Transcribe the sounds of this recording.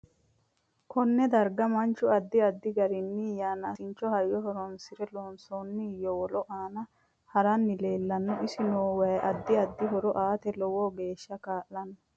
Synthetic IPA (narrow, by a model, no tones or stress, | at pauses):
kʰɔnːɛd̪ɐɾɡɐmɐnt͡ʃːʊɐd̪ːɪɐd̪ːɪɡɐɾɪnːijaːnɐsɪnt͡ʃːɔhɐjːɔɦɔɾɔnsɪɾɛloːnsonːɪjɔwɔlɔʔaːnɐ | hɐɾɐnːɪle̞ːlːɐnːɔʔɪsɪnoːwɐjʔɐd̪ːɪɐd̪ːɪɦɔɾɔʔaːt̪ɛlɔwɔɡe̞ːʃːɐkaːʔːɐnɔ